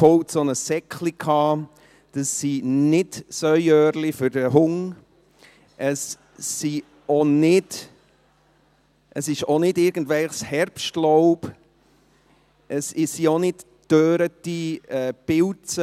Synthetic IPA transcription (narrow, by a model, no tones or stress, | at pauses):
fɔltsonəsɛkʰlikʰhɑː | d̥əsːinɪdsœjœːɾlifʏɾdəɦʊŋ | ʔəsː | i | onɪd | ʔəsɪʃonɪdɪɾɡ̥ən̩dvɛlχshɛɾpʃtlɔʊb | ʔəsɪsionɪd | d̥øːɾətiɛːpɪlt͡sə